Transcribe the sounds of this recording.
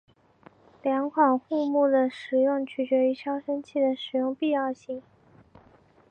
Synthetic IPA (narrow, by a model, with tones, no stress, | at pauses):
ljɑ˧˥ŋkʰwɑ˨˩nxu˥˧mu˥˩d̪ə˩ʂɻ̩˨˩jʊ˥˩ŋt͡ɕʰy˨˩t͡ɕɥɛ˧˥y˧˥ʈ͡ʂʰjɑ˥ʊʂə˥nt͡ɕʰi˥˩d̪ə˩ʂɻ̩˨˩jʊ˥˧ŋpi˥˧jɑ˥˧ʊɕi˥˩ŋ